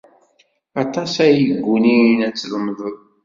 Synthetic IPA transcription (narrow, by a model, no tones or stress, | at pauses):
ɑt̪ˤɑsæjəɡːuninæt͡sːlmðˤəðˤ